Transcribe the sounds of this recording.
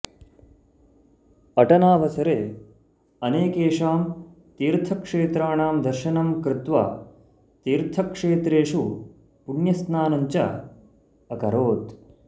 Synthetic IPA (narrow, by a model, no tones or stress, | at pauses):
ɐʈɐnaːʋɐsɐɾeː | ɐneːkeːʂaːm | t̪iːɾt̪ʰɐkʂeːt̪ɾaːɳaːmd̪ɐɾʃɐnɐmkɾɪt̪ʋa̰ː | t̪iːɾt̪ʰɐkʂeːt̪ɾeːʂu | puɳjɐsnaːnɐɲt͡ʃɐ̰ | ɐkɐɾoːt̪